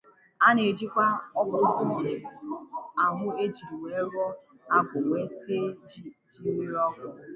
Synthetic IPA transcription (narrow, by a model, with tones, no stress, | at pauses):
a˦ne˨d͡ʒi˦kʷa˦ɔ˦kʊ˨˦kʊ˨m˨ɾ | a˨ɦʊ˦e˦d͡ʒi˨i˨wʷe˨˦ɾɔ˦ | a˦ɡʷʊ˨ŋʷe˦se˦d͡ʒi˦ɾi˦ɾɔ˦kʊ˨